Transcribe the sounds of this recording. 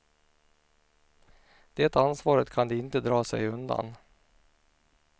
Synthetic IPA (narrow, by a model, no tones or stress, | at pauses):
d̪̥eːt̪ansvɑːɾət̪kʰand̪ɛɪnt̪əd̪ɾɑːsɛ̰jɵnd̪a̰n